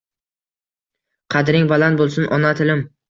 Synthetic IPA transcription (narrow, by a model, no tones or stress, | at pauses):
qʰɑd̪ɾɪŋbalanbolˠsʊnʔɒnat̪ʰɪlɪm